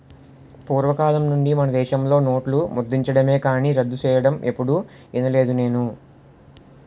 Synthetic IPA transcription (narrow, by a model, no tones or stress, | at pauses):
puːɾʋɐkaːlɐmnuɳɖimɐnɐd̪ɛːʃɐmlo̞ːno̞ːʈlumuɾd̪iɲt͡ʃɐɽɐme̞ːkaːniːɾɐd̪ːut͡ʃɛːjɐɽɐmʔepːuɽu | inɐleːd̪une̞ːnu